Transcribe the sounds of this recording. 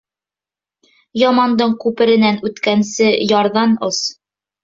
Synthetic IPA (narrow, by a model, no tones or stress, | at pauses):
jɑmɑnd̪ɤɴkʉpɘ̆ɾɘ̆nænʉt̪kænsɘjɑɾðɑnos